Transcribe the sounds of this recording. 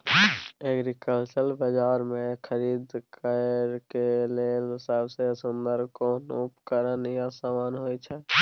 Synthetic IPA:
eːɡɾikəlt͡ʃəlbəd͡ʒaːɾmẽkʰəɾiːd̪kəɾkelelɪsaːbsesʊnd̪əɾkonʊpkəɾəniasaːmaːnɦoːit͡ʃʰɛ

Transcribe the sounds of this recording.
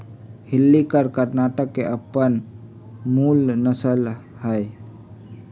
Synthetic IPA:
hɪlːikəɾkəɾnaːʈəkːeʔəpən | muːlnəsəl | həj

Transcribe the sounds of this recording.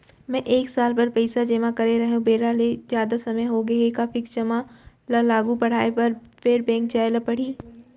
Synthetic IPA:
mɛ̃ʔeːksaːlpɐɾpɐɪsad͡ʒeːmakɐɾeɾɐɦũbeːɾalezjaːd̪asɐməjɦoɡɐɦekaːfɪkt͡ʃɐma | lɐlaːɡupɐɽ̤aːepɐɾpeɾbɛ̃ːŋkd͡ʒaːelɐpɐɽ̤iː

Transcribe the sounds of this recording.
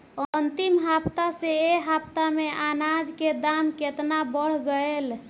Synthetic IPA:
ənt̪imɦapt̪aseeɦapt̪ameʔanad͡ʒked̪amket̪nabəɽ̤ɡəel

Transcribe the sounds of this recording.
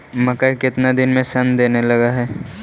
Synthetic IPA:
mɐkəjkɪt̪nad̪ɪnmẽsɐnd̪eːnelɐɡaɦɛː

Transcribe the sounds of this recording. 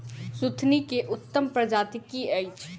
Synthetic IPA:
sut̪ʰnikeʔʊt̪ːəmpɾəd͡ʒaːt̪ikiəɪt͡ʃʰ

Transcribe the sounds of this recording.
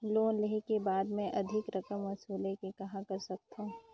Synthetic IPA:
loːnleɦekebaːd̪mẽʔɐd̪ʱɪkɾɐkəmːɐsuːlekekɐɦãkɐɾsɐk̚t̪ã

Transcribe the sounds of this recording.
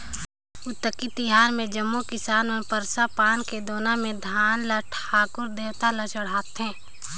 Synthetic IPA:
ʊt̪ːəkit̪ɪɦaːnmẽd͡ʒəmːukɪsaːnmẽpəɾsapaːnked̪oːnamẽd̪ʱaːnlaʈʰaːkʊɾd̪eːwt̪alat͡ʃəɽ̤aːt̪ɦɛ̃ː

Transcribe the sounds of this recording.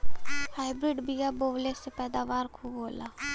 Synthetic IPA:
haːɪbɾɪɖbijaːboːʋlesepɛːd̪aːʋaːɾkʰuːbɦoːlaː

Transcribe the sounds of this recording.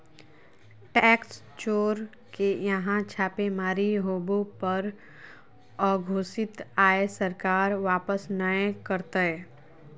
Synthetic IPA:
ʈɛːks | t͡ʃoːɾ | kejəɦãt͡ʃʰaːpemaːɾiɦoːbopəɾ | ɔːɡʱoːsɪt̪aːesəɾkaːɾʋaːpəsnəẽkəɾt̪əe

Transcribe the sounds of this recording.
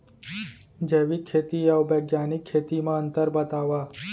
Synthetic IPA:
d͡ʒeːʋikʰːeːt̪iawbɐːɡjaːnɪkʰːeːt̪imãə̃nt̪əɾbɐt̪aːʋaː

